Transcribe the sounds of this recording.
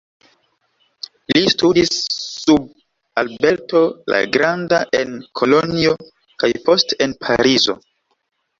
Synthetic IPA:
listudisːub̚ | albe̞lto̞la̰ɡɾandaʔe̞nkʰo̞lo̞nio̞ | kajpo̞ste̞npʰaɾizo̞̰

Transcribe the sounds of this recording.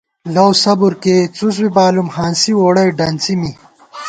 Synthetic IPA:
lɐwsɐbuɾket͡sus̬wibaːlumhaːnsiwoːɽɐjɖɐnt͡simi

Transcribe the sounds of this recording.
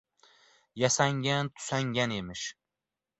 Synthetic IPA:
jasaŋɡʲant̪ʰʊ̥saŋɡʲane̞mɪʃ

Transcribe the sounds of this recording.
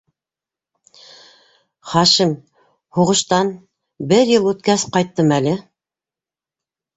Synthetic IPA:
χɑʃim | huʁɤ̆ʃt̪ɑn | bɘɾjɤlˠʉt̪kæsqɑjt̪ːɤmælɘ

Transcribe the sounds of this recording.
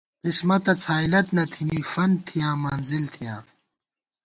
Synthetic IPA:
qismɐt̪ɐt͡sʰhaːilɐt̪nɐt̪ʰiniːfɐn̚t̪ʰːijãːmaːnzilt̪ʰijãː

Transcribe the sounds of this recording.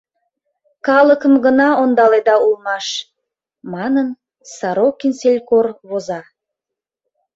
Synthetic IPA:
kɑlˠəkəmɡənɑond̪ɑled̪ɑulˠmɑʃ | mɑnən | sɑɾokːinselʲkorβozɑ

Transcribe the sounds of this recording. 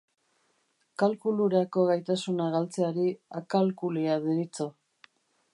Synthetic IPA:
kalkuluɾako̞ɣajt̪asunaɣalt͡se̞aɾiakalkuliaðeɾit͡so

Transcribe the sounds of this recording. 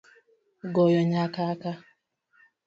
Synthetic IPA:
ɡɔjɔɲakaka

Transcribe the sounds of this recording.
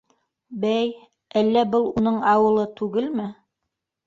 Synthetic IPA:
bæj | ælːæbɤlˠunɤɴɑwɤ̆lˠɤt̪ʉɡɘlmɘ

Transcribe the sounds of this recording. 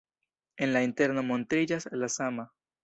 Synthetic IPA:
enlaint̪eɾnamont̪ɾid͡ʒaslasama

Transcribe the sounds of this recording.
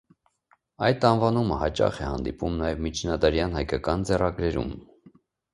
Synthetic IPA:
ɑjd̪ɑnvɑnuməhɑt͡ʃɑ̰χɛhɑ̰nd̪ipumnɑjɛvmit͡ʃʰnɑd̪ɑɾjɑnhɑjkɑkɑnd͡zɛrɑɡɾɛɾṵm

